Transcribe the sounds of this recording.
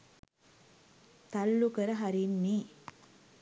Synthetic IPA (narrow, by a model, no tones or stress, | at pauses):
t̪ɐlːukəɾəɦaɾinːi